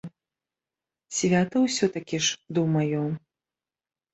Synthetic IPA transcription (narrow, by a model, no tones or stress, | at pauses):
sʲvʲat̪ɐwsʲɔt̪akʲiʂd̪ɨwmajɔ